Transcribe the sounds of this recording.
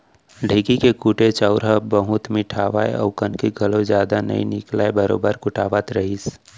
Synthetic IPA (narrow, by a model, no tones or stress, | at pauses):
ɖʱeːkikekuːʈet͡ʃaʊɾɦabəɦʊt̪mɪʈʰaːʋa̰ːḛɔ̰ʊkənkeɡʱəlõd͡ʒjaːd̪anə̰ḭnɪ̰klaːebəɾo̰ːbəɾkʊʈaːʋat̪ɾəɦis